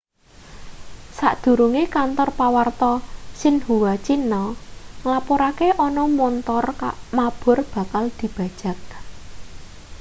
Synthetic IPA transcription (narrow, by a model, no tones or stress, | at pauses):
saʔd̪̥ṳɾuŋekant̪ɔrpawart̪ɔsɪnhuwat͡ʃinɔŋlapɔɾakeʔɔnɔmɔnt̪ɔrkaʔmab̥ʊ̤rb̥ä̤kald̪̥i̤b̥a̤d̥ʒ̥a̤k̚